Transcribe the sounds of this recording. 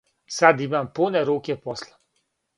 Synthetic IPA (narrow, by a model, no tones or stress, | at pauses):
sad̪imampunɛɾoːkɛpɔslɛ